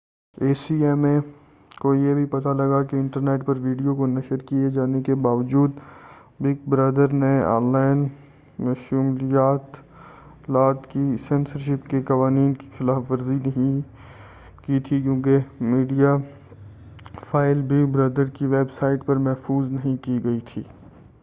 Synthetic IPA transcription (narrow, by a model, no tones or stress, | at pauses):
eːsiɛːmẽ | koːijebʱipɐt̪alɐɡakeɪ̃ɳʈəɾneːʈpɐɾʋiːɖijokonɐʃəɾkied͡ʒaːnekebaːʋəd͡ʒuːd̪ | bɪkbɾɐd̪əɾneɔ̰̃ːnlaːɪn | mʃumlijaːt̪ | laːt̪kisɛnsəɾʃ̬ɪpkekɐʋaːniːnke̥xɪlaːfʋɐɾzinɐɦĩ | kit̪ʰikjõːkemiːɖija | fʰaːɪlbʱibɾɐd̪əɾkiʋeːbsaːɪʈpɐɾmɛɦfuːznɐɦĩkiɡɐit̪ʰḭː